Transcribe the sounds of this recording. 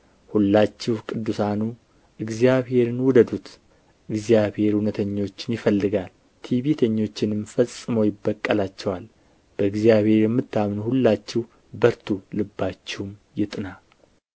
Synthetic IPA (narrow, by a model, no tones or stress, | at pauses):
hulːat͡ʃːɪhkʼɨd̪ːusanu | ʔɨɡzjaβhe̞ɾɨnwʊd̪əd̪ut̪ | ʔɨɡzijabhe̞ɾhunət̪ʰəɲːo̞t͡ʃːɪnjɪfəlːɨɡal | t̪ʰiβit̪ʰəɲːo̞t͡ʃːɪnɨmfəsʼːɨməwjɪbːəkʼːəlat͡ʃːɛwal | b̥əɨɡzijaβhe̞ɾjɛmːɨt̪ːamnhulːat͡ʃːɪh | bəɾt̪ʰulɨbːat͡ʃːɪwmjɪt̪ʼɨna